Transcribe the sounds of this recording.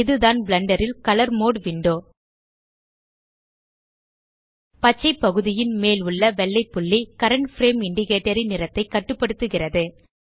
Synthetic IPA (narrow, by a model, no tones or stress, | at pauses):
ɪðɯðaːnbɭɐɳɖɐɾɪlkɐlɐɾmoːɽʋɪɳɖoː | pɐt͡ʃːɐɪpːɐɣɯðɪjɪnmeːlʊɭːɐʋɛɭːɐɪpːʊɭːikɐɾɐɳʈfɾeːmɪɳɖɪɣeːʈːɐɾɪnɪɾɐt̪ːɐɪkːɐʈːɯpːɐɽɯt̪ːɯɣɪrɐðɯ